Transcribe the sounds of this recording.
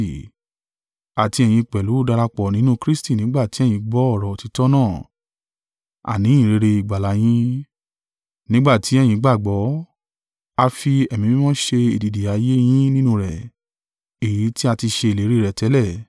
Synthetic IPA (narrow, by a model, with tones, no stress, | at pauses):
a˨ti˧ɛ˨j̃ĩ˧k͡pɛ˨lu˨˦˨da˧ɾa˧k͡pɔ˨nĩ˦nũ˦kɾi˦sti˦˨nĩ˨˦ɡ͡ba˦˨ti˨˦ɛ˦˨j̃ĩ˨˧ɡ͡bɔ˦ɔ˦˨ɾɔ˨ti˨˦tɔ˦nãː˦˨ | a̰˨nĩ˨˦ĩ˦˨ɾe˨˧ɾe˧i˨ɡ͡ba˨la˨˦j̃ĩ˦ | nĩ˦ɡ͡ba˦˨ti˨˦ɛ˦˨j̃ĩ˧ɡ͡ba˦˨ɡ͡bɔ˨˦ | a˧fi˧ɛ˨mĩ˧bĩ˦mɔ̃˦ʃe˧i˨di˨di˨a˨˦je˦j̃ĩ˦nĩ˦nũ˧˦ɾɛ˨ | e˨ji˨˦ti˦a˧ti˧ʃe˧e˨le˨˦ɾe˦˧ɾɛ˨tɛ˨˦lɛ˦˨